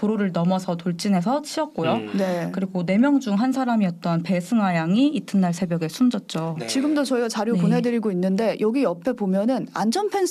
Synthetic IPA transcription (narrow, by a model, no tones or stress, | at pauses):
poɾoɾɯɭnʌmʌsʰʌtoɭt͡ɕ͈ine̞s̬ʰʌt͡ɕʰiʌk̚k͈ojonekɯɾiɡone̞mjʌŋd͡ʑuŋɦansʰaɾamiʌt̚t͈ʌnpe̞sʰɯŋɦwajaŋiːtʰɯnːaɭsʰe̞bjʌɡe̞sʰumd͡ʑʌt̚t͡ɕ͈ot͡ɕiɡɯmdot͡ɕʌiɡat͡ɕaɾjuponɦe̞dɯɾiɡoinːɯnde̞jʌɡiʌpʰe̞bomjʌnɯna̰nd͡ʑʌnpʰens